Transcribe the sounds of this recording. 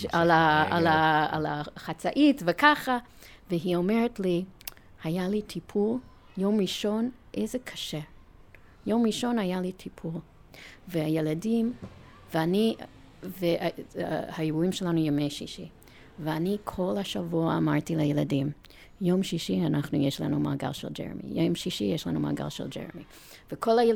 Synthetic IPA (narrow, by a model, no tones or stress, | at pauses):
alaalaa̰laχat͡saʔitvekʰaχa | veɦiomeɹetli | hajalitʰipʰul | jomɹiʃonʔeɪzekʰḁʃe | jomɹiʃonajalitʰipʰul | veajeladim | veani | ve | haeuimʃelanujomejʃiʃi | veanikʰolhaʃavuaːmaɹtilajeladĩm | jomʃiʃianaχnujɛʃla̰numa̰ɡa̰lʃḛld͡ʒɛ̰ɹ̰mḭjomʃiʃijɛʃla̰numa̰ɡa̰lˠʃḛld͡ʒḛɹmi | v̥ekʰola